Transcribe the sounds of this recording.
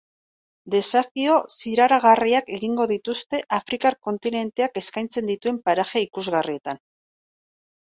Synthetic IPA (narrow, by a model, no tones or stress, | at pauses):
d̪e̞safio̞siɾaɾaɣariake̞ɣiŋɡo̞ðit̪ust̪e̞ʔafɾikako̞nt̪ine̞nt̪e̞ake̞skajnt͡se̞nd̪it̪ue̞mpaɾaxeikuzɣarie̞t̪an